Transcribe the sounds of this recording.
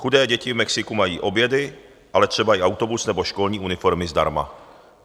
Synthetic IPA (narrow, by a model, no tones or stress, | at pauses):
xudɛːɟɛcɪvmɛksɪkumajiːʔo̞bjɛdɪ | ʔalɛt̪r̝̥ɛbaɪawt̪obusnɛboʃkolɲiːunɪfoɾmɪzd̪a̰ɾma̰